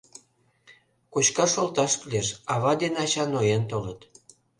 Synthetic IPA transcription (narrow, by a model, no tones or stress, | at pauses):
kot͡ɕkɑʃolt̪ɑʃplʲeʃɑβɑd̪enɑt͡ɕɑnojent̪olɤt̪